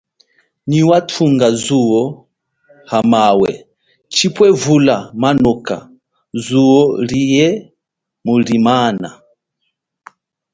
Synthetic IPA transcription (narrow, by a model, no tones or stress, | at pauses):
niwatʰuŋɡazuɔ | hamawɛ̰ | t͡ʃipwɛvulamanɔka̰ | zuɔlijɛ | mulimana